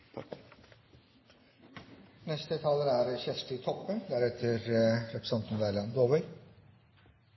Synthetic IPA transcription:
nɛst̪ət̪ʰɑləæɾçɛsʈ̪ɪt̪ʰɔpːənd̪æɾɛt̪ʰəɾɾɛpɾə̥sɑnt̪n̩d̪æɪlɑnd̪oːbœʏ

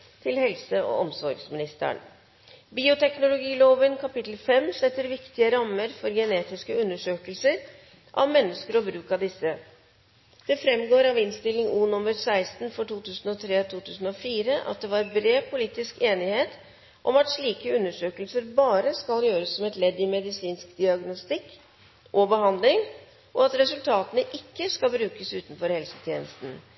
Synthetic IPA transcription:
t̪ʰɪlhɛlsəɔ̰ʔɔmsɔɾɡsmɪnɪst̪ə̰ɳ | biːʊt̪ʰɛknʊlʊɡiːloːʋənkʰɑpɪt̪l̩fɛmːsɛt̪ːəɾʋɪkt̪ɪəɾɑmːəɾfɔɾɡɛneːt̪ɪskəʉnːəʂøːkəlsəɾ | ʔɑ̰ʋmɛnːəskəɾɔbɾʉːkɑd̪ɪsːə | d̪̥ɛfɾɛmɡoːɾɑʋɪnst̪ɪlɪŋuːnʊmːəɾsæɪst̪nfɔʈuːt̪ʉːsən̩ɔt̪ʰɾeːt̪ʰuːt̪ʰʉːsn̩ɔfiːɾəʔɑ̰t̪̚d̪ɛʋɑɾbɾeːpʰʊliːt̪ɪskeːnɪheːt̪ | ʔɔmɑʈ̪ʂɭiːkəʉnːəʂøːkəlsəɾbɑːɾəskɑljøːɾəsːɔmɛt̪lɛd̪ːɪmɛd̪ɪsiːnskd̪ɪɑɡnʊst̪ɪkː | ʔɔbəɦɑnd̪lɪŋ | ʔɔɑt̪ɾɛsʉlt̪ʰɑːt̪ənəʔɪkːəskɑlbɾʉːkəsʉːt̪nfɔɾhɛlsə̥t̪ʰjeːnəst̪n̩

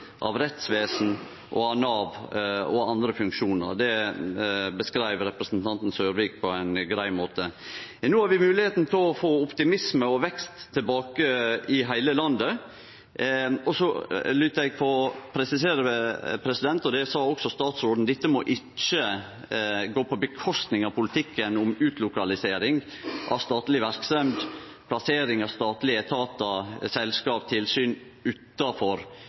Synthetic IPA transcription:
ʔɑ̰ʋɾɛt̪sʋeːsn̩ | ʔɔ̰ɑnɑːʋɔ̰ɑnd̪ɾəfʉŋkʂuːnə̰ɾd̪ɛ | bəskɾæɪʋəɾɛpɾəsn̩t̪ʰɑnt̪n̩søːɾʋiːk̚pʰɔæɪnɡɾæɪmoːt̪ənːuːhɑɾʋɪmʉːlɪheːt̪n̩p̪ʰɪlɔfoːʊpt̪ɪmɪsməɔʋɛkst̪ʰːɪlbɑːkəɪɦæɪləlɑnd̪ə | ɔsɔlʏt̪ːəɾɛɡ̚pʰɔpʰɾɛsɪseːɾəpʰɾɛsɪd̪ɛnt̪ɔd̪ɛsɑːɔksɔst̪ɑːt̪sɾoːd̪n̩d̪ɪt̪ːəmɔ̰ʔɪ | t͡ʃːə | ɡoːpɔbəkʰɔst̪nɪŋɑpʰʊlɪt̪ʰɪkːənʊmʉːt̪lʊkɑlɪseːɾɪŋ | ʔɑ̰st̪ɑːt̪lɪʋæɾksɛmd̪ | pʰlɑseːɾɪŋɑst̪ɑːt̪lɪɛt̪ʰɑːt̪ɑsɛlskɑːp̚t̪ʰɪlsyːnʉːt̪ɑfɔɾ

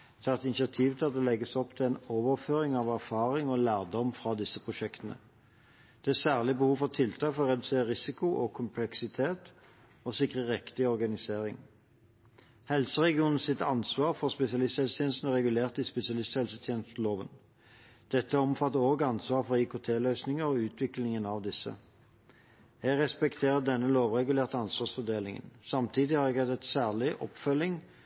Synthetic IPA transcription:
d̪ɛɑt̪ɪnsɪɑt̪ʰiːʋət̪ʰɑʁd̪ɛlɛɡːəsɔpt̪ʰɪlɛnoːʋəʁføːɾɪŋɑʋæʁfɑːʁɪŋɔlæːʁd̪ɔmfʁɑːd̪ɪsəpʰʁʊʃɛkt̪ənə̰ | d̪̥ɛæːsæːʁlɪbəhuːʋfɔʁt̪ʰɪlt̪ʰɑːkfɔʁɔʁɛd̪ʉseːʁəʁɪsɪkʊʔɔkʰʊmpʰlɛksɪt̪ʰeːt̪ | osɪkʁəʁɛkt̪ɪɔʁɡɑnɪseːʁɪ̰ŋ | hɛlsəʁɛɡɪuːnn̩sɪt̪ɑ̰nsʋɑːʁfɔʁspɛsɪɑlɪst̪hɛlst̪ʰeːnst̪nəʁɛɡʉleːʁt̪ispɛsɪɑlɪst̪hɛlsət̪ʰjeːnəst̪n̩loːʋə̰n | d̪̥ɛt̪ːəɔmfɑt̪ːəʁoːɡɑnsʋɑːʁfɔʁikʊt̪ʰeːlœːsnɪŋəʁɔʉːt̪ʰʋɪklɪŋənɑʋd̪ɪsːə̰ | hæʁɛspɛkt̪ʰeːʁəd̪ɛnːəloːʋʁɛɡʉleːʁt̪əɑnsʋɑːʁsfɔd̪eːlɪŋə̰nsɑmt̪ʰiːd̪ɪhɑɾɛɡhɑt̪ɛt̪sæːʁlɪʔɔ̰pfœlːɪŋ

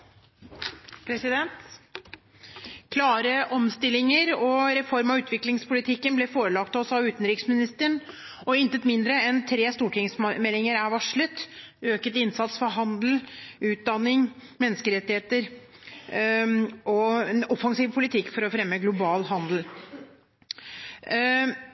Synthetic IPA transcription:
pʰɾɛsɪd̪ɛnt̪ | kʰlɑːɾəʔɔmst̪ɪlːɪŋəɾɔɾɛfɔɾmɑʉːt̪ʰʋɪklɪŋspʊlɪt̪ʰɪkːənblɛfoːɾəlɑkt̪ɔsɑʋʉːt̪nɾɪksmɪnɪst̪əɳ | ɔɪnt̪ət̪mɪnd̪ɾəɛnt̪ʰɾeːst̪uːʈʰɪŋsmɛlːɪŋəɾæɾʋɑʂɭət̪ | øːkət̪ɪnsɑt̪sfɔɾɦɑnd̪l̩ʉːt̪̚d̪ɑnːɪŋmɛnːəskəɾɛt̪ːɪheːt̪əɾ | ɔɛnɔfɑŋsiːʋpʰʊlɪt̪ʰɪkːfɔɾɔfɾɛmːəɡlʊbɑːlɦɑnd̪l̩

